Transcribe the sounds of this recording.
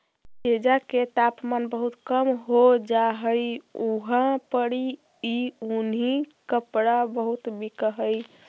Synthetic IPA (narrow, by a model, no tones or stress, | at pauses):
ted͡ʒaket̪apmanbəɦut̪kəmɦod͡ʒaɦəjuɦãpəɽi | iunɦikəpɽabəɦut̪bikəɦəj